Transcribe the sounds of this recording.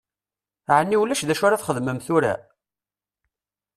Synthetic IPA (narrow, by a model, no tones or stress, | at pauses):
ʕənːiwlːæʃðæʃʊɾaθχəðməmθʊɾa̰